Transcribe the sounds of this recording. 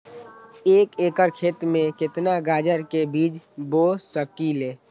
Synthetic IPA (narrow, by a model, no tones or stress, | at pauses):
eːkeːkəɾkʰeːt̪ɾmẽkɪt̪naɡaːd͡ʒəɾkebiːd͡ʒboːsəkileː